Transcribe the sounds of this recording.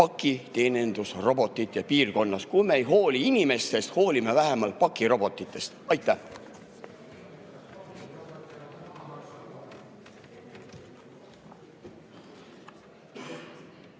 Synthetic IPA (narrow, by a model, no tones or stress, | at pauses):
pɑkːˑit̪e̞ːne̞nd̪̥usro̞bo̞t̪ːˑit̪ˑjɑpiːrko̞nːɑskujmeejɦo̞ːliinime̞st̪e̞st̪ho̞ːlime̞væɦemɑlt̪̚pɑkːˑiɾo̞bo̞t̪ːˑit̪ːˑe̞st̪ɑjt̪ːˑæh